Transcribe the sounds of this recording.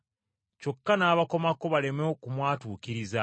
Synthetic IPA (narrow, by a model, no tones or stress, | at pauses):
co̞kːanaːβako̞mako̞βale̞meokumwaːtuːkiɾiza